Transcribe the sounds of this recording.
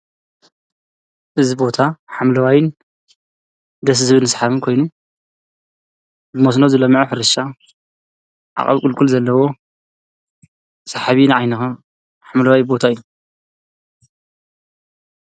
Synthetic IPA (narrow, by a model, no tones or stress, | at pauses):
ʔɨzibo̞t̪ʰaħamlɐwajɪn | d̪ɐs̬ɨsɨβɨnːɨsħaβɨnkʰo̞jnu | bɨmos̬nozɨlɐmːiʕoħɨɾɨʃa | ʕa̰χʼɐ̰βkʼɨlkʼulzɐlːɐwo̞ | saħaβinɨʕajnɐxa | ħamlɐwajbo̞t̪ʰaɨjːu